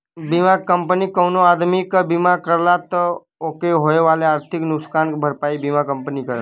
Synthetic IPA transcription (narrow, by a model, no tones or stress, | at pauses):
bimakəmpənikəwnoad̪mikbimakəɾlat̪ə | okeɦojʋaleaɾt̪ʰiknʊkskanbʱəɾpaibimakəmpənikəɾə